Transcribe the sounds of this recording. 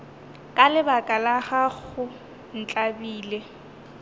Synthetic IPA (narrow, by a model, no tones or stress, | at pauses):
kʼalɪbakʼalaɣaɣʊ | n̩t͡ɬʼabiːlɛ